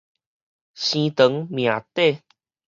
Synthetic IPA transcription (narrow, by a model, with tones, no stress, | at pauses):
ɕĩ˧t̪ə˨˦ŋmj̃ã˨˩t̪e˥˧˨